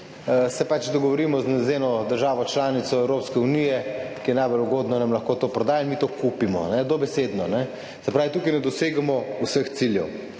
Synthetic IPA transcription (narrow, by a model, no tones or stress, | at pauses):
sɛpat͡ʃd̪ɔɡɔʋɔɾimɔznɛzenɔd̪əɾʒaːʋɔt͡ʃlaːnit̪sɔɛwɾoːpskɛunijɛkijɛnajboluɡoːd̪nɔnamlɐxkoːt̪oːpɾɔd̪aːjainmit̪okupimɔ̰nɛd̪obɛsed̪nɔnɛ | sɛpɾaːʋit̪uːkɛjnɛd̪ɔseːɡamɔusəxt̪siljɛw